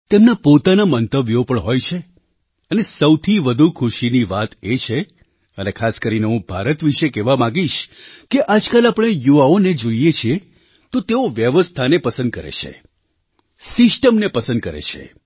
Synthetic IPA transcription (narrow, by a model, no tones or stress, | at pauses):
t̪emnapot̪anamənt̪əʋjopəɳɦojt͡ʃʰe | ənesəwt̪ʰiʋəd̪ʱukʰuʃiniʋat̪et͡ʃʰe | ənekʰaskəɾineɦũbʱaɾət̪ʋiʃekɛʋamãɡiʃkeʔad͡ʒkalapɳ̃ejuʋaoned͡ʒoijet͡ʃʰie | t̪ot̪eoʋjəʋəst̪ʰanepəsə̃nd̪̚kəɾḛt͡ʃʰḛ | sɪsʈəmnepəsə̃nd̪̚kəɾḛt͡ʃʰḛ